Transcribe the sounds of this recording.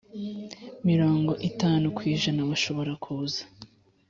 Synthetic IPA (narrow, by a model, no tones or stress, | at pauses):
miɾo̞ːŋɡo̞ʔitaːnukwiːʒanaβaʃo̞βo̞ɾakʰuzḁ